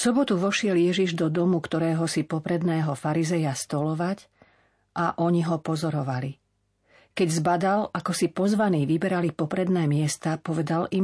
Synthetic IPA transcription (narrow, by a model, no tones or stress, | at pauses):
sɔbɔt̪uʋɔʃɪɛljɛʒiʒd̪ɔd̪ɔmukt̪ɔɾɛːɦɔsipɔpɾɛd̪nɛːɦɔfaɾizɛjast̪ɔlɔʋac | ʔaʔɔɲiɦɔpɔzɔɾɔʋali | kɛɟzbad̪alakɔsipɔzʋaniːʋibɛɾalipɔpɾɛd̪nɛːmɪɛst̪apɔʋɛd̪alim